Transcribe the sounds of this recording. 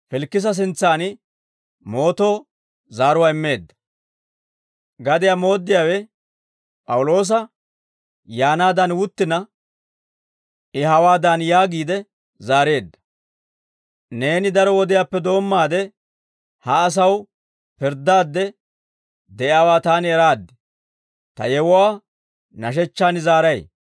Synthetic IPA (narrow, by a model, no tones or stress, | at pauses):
fɪlkːɪs̬ɐs̬ɪnt͡sːaːnɪ | mo̞ːt̪o̞ː | zaːɾʊwaɪmːe̞ːd̪ːɐ̥ | ɡɐd̪ɪjamo̞ːd̪ːɪjaːwɛ | pʼɐwʊlo̞ːs̬ɐ | jaːnaːd̪ɐnwʊt̪ːɪnɐ | ɪɦɐwaːd̪anjaːɡiːd̪ɛ | zaːɾe̞ːd̪ːɐ̥ | ne̞ːnɪd̪ɐɾɔwɔd̪ɪjaːpːɛd̪o̞ːmːaːd̪ɛ | hɐːs̬ɐw | pɪɾd̪aːd̪ːɛ | d̪ɛʔɪaːwaːt̪aːnɛɾaːd̪ːɛ | t̪ɐ̰jɛwwaː | nɐʃ̬ɛt͡ʃːaːnɪzaːɾɐj